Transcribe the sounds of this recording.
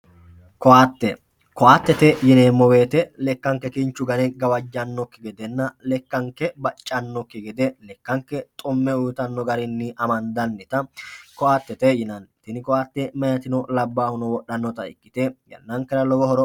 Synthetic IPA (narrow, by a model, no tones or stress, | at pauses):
kɔaːt̪ːɛ | kɔaːt̪ːɛt̪ɛjɪneːmːɔweːt̪ɛlɛkːɐŋkːɛkɪnt͡ʃːʊɡɐnɛɡɐwɐd͡ʒːɐnːɔkːɪɡɛd̪ɛnːɐlɛkːɐŋkːɛbɐt͡ʃʼːɐnːɔkːɪɡɛd̪ɛlɛkːɐŋkːɛt̪ʼɔmːɛʊjt̪ɐnːɔɡɐɾɪnːɪʔɐmɐnd̪ɐnːɪt̪ɐkɔaːt̪ːɛt̪ɛjɪnɐnt̪ɪnɪkɔaːt̪ːɛmɐjɐt̪ɪnɔlɐbːaːhʊnɔwɔɗːɐnːɔt̪ɐɪ̰kːɪ̥t̪ɛjɐ̰nːɐŋkɛɾɐlɔbɔhɔɾɔ